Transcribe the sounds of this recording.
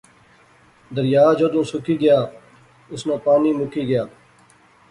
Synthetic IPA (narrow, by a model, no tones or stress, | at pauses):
d̪əɾjaːd͡ʒoːd̪ũːsʊkiːɡəjaː | ʊsnãːpaːniːmʊkiːɡəjaː